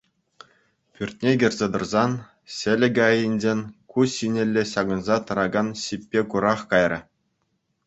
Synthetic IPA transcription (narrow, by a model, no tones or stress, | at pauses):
pʲyrʲt̪̚ʲnʲeɡʲĭrʲzʲed̪ɤ̆rzɑn | ɕʲɘ̆lʲɘ̆ɡʲɑjinʲd͡ʑʲenʲkuɕinʲĕlʲːeɕɑɡɤ̆nzɑt̪ɤ̆ɾɑɡɑnɕipʲːekuɾɑχkɑjrʲɤ̰̆